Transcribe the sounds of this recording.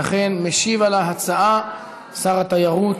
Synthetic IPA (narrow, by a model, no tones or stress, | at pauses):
aχenmeʃivalaɦat͡saʔa | saʁat̪ajaʁut̪